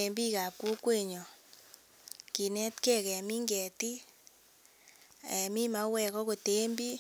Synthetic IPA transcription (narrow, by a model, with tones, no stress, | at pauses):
e˨mbi˦ka˨pu˦kwe˦˨ɲɔ˨ | ki˨nɛ˦tkɛ˦kɛ˨mi˦ŋɡɛ˨ti˦ | ɛ˨mi˦ma˨˦wɛ˨kɔ˦ko˨te˦mbi˦